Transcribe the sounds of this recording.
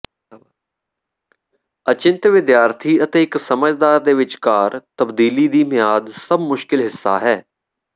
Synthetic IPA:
ət͡ʃɪ̃nt̪ʋɪd̪jaːɾt̪ʰiːət̪eːɪksəməd͡ʒd̪aːɾd̪eːʋɪt͡ʃkaːɾt̪əbd̪iːliːd̪iːmɪjaːd̪səbmʊʃkɪlɦɪsːa̰ːɦɛː

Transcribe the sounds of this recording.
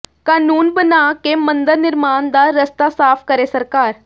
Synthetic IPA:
kaːnuːnbənakemə̃nd̪əɾnɪɾmaːnd̪aɾəst̪asaːpʰkəɾesəɾkaːɾ

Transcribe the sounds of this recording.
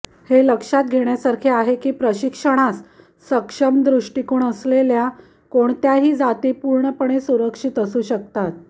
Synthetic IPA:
heləkʂat̪̚ɡʱeɳjasaɾkʰiːaɦekiːpɾəɕikʂəɽ̃as | səkʂəmd̪ɾuʂʈikuːɳəslelja | koɳt̪jaɦiːd͡zat̪ipuɾɳəpəɳ̃esuɾəkʂit̪əsuːɕək̚t̪at̪̚

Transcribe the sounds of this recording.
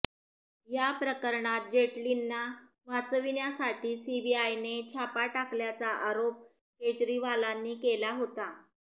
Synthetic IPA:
japɾəkəɾɳat̪̚d͡ʑeʈlinːa | mat͡səʋinjasaʈiːsibiajnet͡ɕʰapaʈakljat͡saʔaɾop̚ | ket͡ɕɾiʋalanːiːkelaɦot̪a

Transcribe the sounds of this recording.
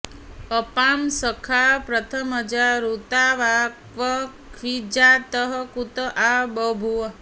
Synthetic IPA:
əpamsəkʰapɾət̪ʰəməd͡ʒaɾut̪aʋakʋəkʰʋid͡ʒat̪əɦəkut̪əʔabəbʱu

